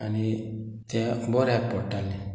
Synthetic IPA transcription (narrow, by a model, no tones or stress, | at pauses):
ani | t̪ɛ̃bɔɾapɔʈale